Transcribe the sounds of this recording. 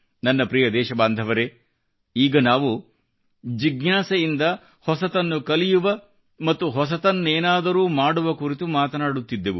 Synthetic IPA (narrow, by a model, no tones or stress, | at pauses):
nɐnːɐpɾijɐd̪ɛːʃɐbaːnd̪ʱɐʋɐɾe̞ | iːɡɐnaːʋu | d͡ʒiɡnaːsɐjind̪ɐ | hɔsɐt̪ɐnːukɐlijuʋɐ | mɐt̪ːuɦɔs̬ɐt̪ɐnːeːnaːd̪ɐɾuːmaːɽuʋɐkuɾit̪umaːt̪ɐnaːɽut̪ːid̪ːeʋu